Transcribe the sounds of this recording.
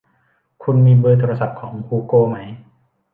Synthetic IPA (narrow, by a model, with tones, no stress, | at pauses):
kʰu˧nmiː˧bɤː˧t̪ʰoː˧ɾa˧sa˨˩p̚kʰɔː˩˦ŋkʰuː˧koː˧˩ma˦˥j